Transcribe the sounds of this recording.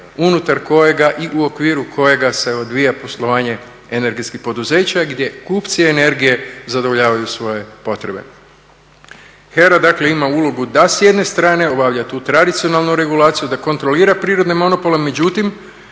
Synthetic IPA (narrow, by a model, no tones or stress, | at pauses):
unut̪aɾko̞je̞ɡaʔiʔuo̞kʋiːɾukʰo̞je̞ɡase̞o̞d̪ʋijapo̞slˠo̞ʋaːɲe̞ | ene̞ɾɡe̞t̪skixpo̞d̪uze̞ːt͡ɕaɡd̪je̞kuːpt̪siene̞ɾɡije̞zad̪oʋoʎaːʋajusʋo̞je̞po̞t̪ɾe̞be̞̰ | xeɾad̪akle̞imaulo̞ɡud̪asje̞d̪ne̞st̪ɾaːne̞o̞baʋʎat̪uːt̪ɾad̪it̪sio̞naːlˠnuɾe̞ɡulˠaːt̪sijud̪ako̞nt̪ɾo̞liːɾapɾiːɾo̞d̪ne̞mo̞no̞po̞le̞me̞d͡ʑut̪im